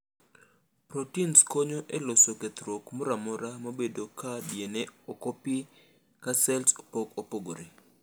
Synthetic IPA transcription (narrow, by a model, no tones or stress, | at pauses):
pɾotinskoɲoʔɛlosoket̪ɾokmɔɾamɔɾamobedokabjeneokopi | kasɛlspokopoɡoɾe